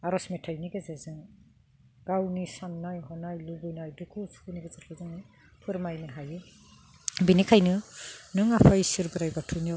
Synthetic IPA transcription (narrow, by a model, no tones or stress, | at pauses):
aɾɔsmetʰajniɡazazɯŋ | ɡawnisamnajɦɔnajlubɯjnajdukʰusʰu̥kuniɡazatkazɯŋɯ | pʰɯɾmajnɯɦajɯ | binikʰajnɯnɯŋapʰajsiɾbɯɾajbatʰujn